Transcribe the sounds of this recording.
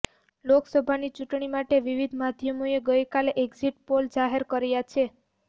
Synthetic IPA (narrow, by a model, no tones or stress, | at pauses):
loksəbʱanit͡ʃuʈɳimaʈeʋiʋid̪ʱmad̪ʱjəmoeɡəjkaleʔeɡziʈpold͡ʒaɦeɾkəɾejat͡ʃʰe